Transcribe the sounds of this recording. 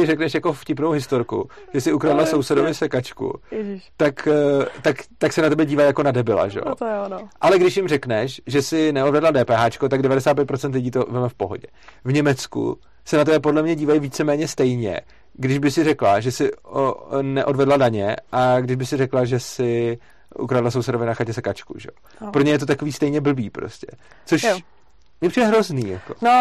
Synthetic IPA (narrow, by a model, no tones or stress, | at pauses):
t̪ɪɾɛknɛʃjako̞fcɪpnowɦɪst̪o̞ɾkṵʒ̥ɛsɪukɾadlaso̞wsɛdovɪsɛkat͡ʃkṵt̪akt̪akt̪aksɛnat̪ɛbɛɟiːvajako̞nadɛbɪla̰ʒɛ̰jo̰tʔalɛɡdɪʃ̬jɪmrɛknɛʃʒɛsɪnɛodvɛdladɛːpɛːɦaːt͡ʃkot̪aɡdɛvadɛsaːt̪pjɛt̪̚pɾo̞t͡sɛnt̪̬lɪɟiːt̪o̞vɛmɛfpo̞ɦo̞̰ɟɛ | vɲɛmɛt͡skṵ | sɛnat̪ɛbɛpodlɛmɲɛɟiːvajiviːt͡sɛmɛːɲɛst̪ɛjɲɛ̰ | ɡdɪʒbɪsɪrɛklaʒɛsɪ | nɛʔo̞dvɛdladaɲɛʔaɡdɪʒbɪxsɪrɛklaʒɛsɪ | ʔṵkɾaːdlasowsɛdovɪnaxacɛsɛkat͡ʃkṵʒɛ̰jo | pɾoɲɛjɛt̪o̞t̪ako̞viːst̪ɛjɲɛbl̩biːpɾo̞̰scɛ | t͡soʃ | mɲɛpr̝iːdɛɦɾo̞zniːjako̥̰n